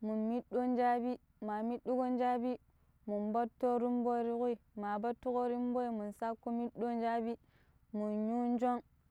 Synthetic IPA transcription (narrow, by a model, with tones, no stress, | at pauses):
mu˨nmi˦ɗo˦n˦d͡ʒa˦bi˦ | ma˨mi˦ɗu˦ko˦n˦d͡ʒa˦bi˦ | mu˨nbo˦tːo˦ɾi˦mbo˦ɾi˦ku˦i˨ma˨ba˦tːu˦ko˦ɾi˦mbo˦i˨mu˨nsa˦kːo˦mi˦ɗo˦nd͡ʒa˦bi˦ | mu˨nɲu˦n˦d͡ʒo˦ŋ